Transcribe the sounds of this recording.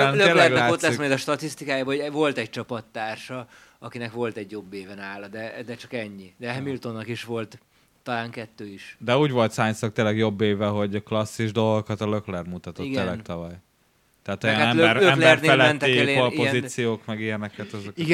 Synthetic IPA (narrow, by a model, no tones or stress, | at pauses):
øeːlːɛɡlaːot̪lɛsimɛd̪ɒʃt̪ɒt̪ist̪ikaːjabɒɦoɛvo̞lt̪ɛc̚t͡ʃɒpɒt̪ːaːrʃɒ | ɒkinɛkʋo̞lt̪ɛɟjo̞bːeːvɛnaːlɒd̪ɛd̪ɛt͡ʃɒkɛɲːid̪ɛɦɛmilt̪o̞nːɒkiʃʋo̞lt̪ː | ɒlaːŋkɛt̪ːøːiʃd̪ɛuːɟvo̞lt̪saːɲsɒk̚t̪eːlɛɡjo̞bːeːvɛɦo̞ɟklɒsːiʒd̪o̞lɡokɒt̪ɒløklɛrmut̪ɒt̪oielɛt̪ɒvɒj | t̪ɛɦaːt̪ojɒnaɛløɛmlɛrɛllɛɛnt̪ːiɛleopozisijoːkmɛɡijɛnɛkɛt̪ɛzoiɡ